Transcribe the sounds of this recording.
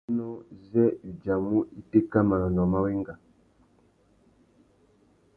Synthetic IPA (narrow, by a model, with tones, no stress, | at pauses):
nɔ˦zɛ˦i˨d͡ʒa˨mu˦i˦te˦ka˦ma˨lɔ˨n˨ɔ˨ma˦we˦ŋɡa˨